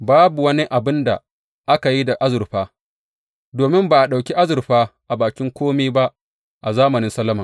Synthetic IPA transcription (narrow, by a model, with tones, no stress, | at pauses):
baː˦bu˨wɐ˦ni˦ʔa˨bɪ˦nda̰˨ | ʔa˦ka˨ji˦da˨ʔa˦zʊ˨ɾɸaː˦ | doː˨mɪ˦mba˨ʔa˨ɗa˨wkʲi˦ʔa˦zʊ˨ɾɸaː˦ʔa˨baː˨kʲɪ˦ŋkʷoː˦miː˦ba˦ʔ | ʔa˨zaː˦mɐ˨nɪ˦nsɐ˦lːɐ˦mɐ˨ŋ